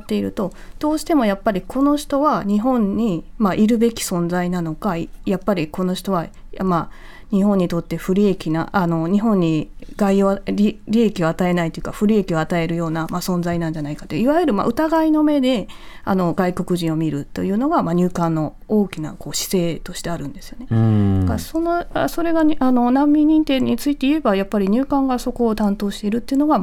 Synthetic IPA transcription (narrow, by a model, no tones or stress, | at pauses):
t̪ːe̞iɾɯ̟t̪o̞ | d̪̥o̞ːɕi̥t̪e̞mo̞japːaɾʲikʰo̞no̞ɕi̥t̪o̞βaɲ̟iɦõ̞ɲ̟ɲimaʔiɾɯ̟be̞kʲi̥sõ̞nzainano̞kaijapːaɾʲiko̞no̞ɕi̥t̪o̞βama | ɲ̟iɦõ̞ɲ̟ːit̪o̞t̪ːe̞ɸɯ̟ɾʲie̞kʲina̰ano̞ɲ̟iɦõ̞ɲ̟ːiɡaioɾʲiɾʲiekʲio̞at̪ae̞nait̪ojiɯ̟kaɸɯ̟ɾʲie̞kʲio̞at̪ae̞ɾɯ̟jo̞ːnamasõ̞nzainãɲ̟d͡ʑanaikḁt̪oiβajɯ̟ɾɯ̟ma̰ʔɯ̟t̪aɡaino̞me̞d̪e̞ano̞ɡaiko̞kɯ̟ʑĩɰ̃o̞mʲiɾɯ̟t̪ːo̞̰jɯ̟ːno̞ɡamaɲ̟ɨːkãnːo̞ | oːkʲina̰ko̞ːɕi̥se̞ːt̪o̞ɕi̥t̪e̞aɾɯ̟̃nd̪e̞sɨjo̞ne̞kasonoaso̞ɾe̞ɡaano̞nãmːʲĩɲ̟ːĩnt̪ẽ̞ːit͡sɨit̪e̞ie̞bajapːaɾʲiɲ̟ɨːkãŋɡaso̞ko̞ːt̪ãnt̪o̞ːɕi̥t̪e̞iɾɯ̟t̪ːeiɯ̟no̞ɡa